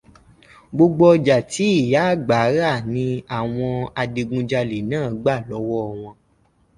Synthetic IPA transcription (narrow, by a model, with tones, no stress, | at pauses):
ɡ͡bo˧ɡ͡bɔ˦ɔ˧d͡ʒa˨ti˨˦i˦˨ja˨˦˨ɡ͡ba˨˦ɾa˦˨nĩ˨˧˦a˨w̃ɔ̃˧a˧de˧ɡũ˧d͡ʒa˧le˨nãː˦˨˦ɡ͡ba˦˨lɔ˨˦wɔ˦˨w̃ɔ̃˧